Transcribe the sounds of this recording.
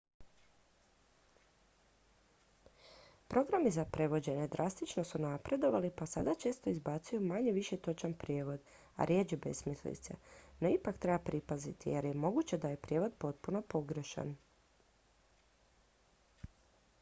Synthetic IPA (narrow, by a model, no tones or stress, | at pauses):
pɾʔo̞ɡɾamizapɾe̞ʋo̞d͡ʑe̞ne̞d̪ɾʔast̪it͡ʃno̞sunapɾe̞d̪o̞ʋalipasa̰d̪at͡ʃe̞ːst̪o̞izbaːt̪sujumaɲeʋiʃe̞t̪o̞t͡ʃanpɾjeːʋo̞d̪ | a̰ɾjeːd͡ʒibe̞̰smislḭt̪sḛno̞ipakt̪ɾe̞bapɾipazit̪ḭjeɾje̞mo̞ɡut͡ɕe̞d̪aje̞pɾjeːʋo̞d̪po̞t̪̚puno̞po̞ɡɾeʃa̰n